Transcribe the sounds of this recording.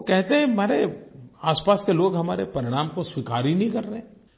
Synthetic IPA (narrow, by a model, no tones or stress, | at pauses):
okɛɦt̪eɦɛ̃meːɾeaːspaːskeloːɡɦɐmaːɾepɐɾɪɽ̃aːmkoswɪkaːɾinɦĩkɐɾːəɦɛ̃